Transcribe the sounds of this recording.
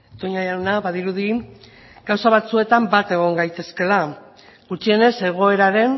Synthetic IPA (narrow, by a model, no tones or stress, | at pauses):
t̪oɲajawnaβaðiɾuð̞i | ɡ̥awsaβ̞at͡sue̞t̪ambat̪e̞ɣ̞o̞ŋɡajt̪e̞ske̞la | ɡut͡ʃie̞ne̞se̞ɣ̞o̞e̞ɾaɾe̞n